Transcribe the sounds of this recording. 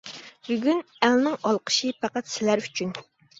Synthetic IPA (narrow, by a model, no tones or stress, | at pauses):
byɡʲyn | ælnɪŋɑlˠqʰə̥ʃipʰæqæt̪sɪlæɾy̥t͡ʃʰyn